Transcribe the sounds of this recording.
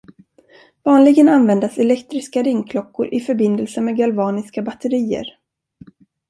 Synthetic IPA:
vɑːnlɪɡənanvɛnd̪asɛlɛkt̪ɾɪskaɾɪŋkʰlɔkːʊ̰ɾʔɪfœɾbɪnd̪əlsəmɛɡalvɑːnɪskabat̪ʰːəɾiːə̰ɾ

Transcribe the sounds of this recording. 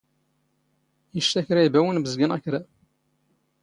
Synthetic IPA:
jəʃt̪æçɾæibæwənbəzɡænæçɾæ

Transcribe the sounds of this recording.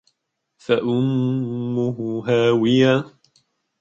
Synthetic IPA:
faʔʊmː | ʊhʊɦaːwɪjaː

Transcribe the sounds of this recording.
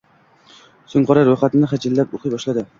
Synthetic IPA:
sʊŋqɒɾaɾojχat̪ɪnɪχad͡ʒɪlːapoqʰɨjbɒʃlad̪ɪ

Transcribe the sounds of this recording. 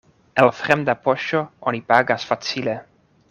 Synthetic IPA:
elfɾemd̪apoʃoonipaɡasfat͡sile

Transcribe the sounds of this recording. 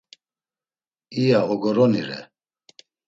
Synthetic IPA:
ijaɔɡɔɾɔniɾɛ̰

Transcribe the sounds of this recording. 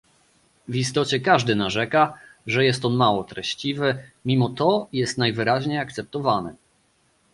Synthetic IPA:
vist̪ɔt͡ɕɛkaʐd̪ɘnaʐɛkaʐɛjɛst̪ɔnmawɔt̪ɾɛɕt͡ɕivɘmʲimɔt̪ɔjɛst̪najvɘɾaʑɲejakt̪sɛp̚t̪ɔvanɘ̰

